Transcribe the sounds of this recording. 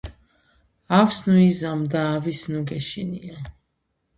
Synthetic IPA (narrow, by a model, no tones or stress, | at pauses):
awsnuizamd̪aːvisnuɡɛʃḭnia